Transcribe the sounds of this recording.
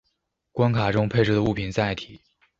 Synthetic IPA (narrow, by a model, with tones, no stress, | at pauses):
kwa˥nkʰa˨˩ʈ͡ʂʊ˥ŋpʰe˥˧ɪʈ͡ʂɻ̩˥˩d̪ə˦u˥˩pʰi˨˩nt͡sa˥˩ɪt̪ʰi̥˨˩˦